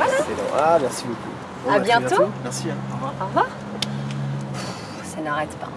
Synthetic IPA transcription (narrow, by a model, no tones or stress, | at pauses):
alasɛdɔ̰̃amɛʁsiboku | abjɛ̃t̪omɛʁsivaɔʁvwaːʁ | sanaʁɛt̪pa̰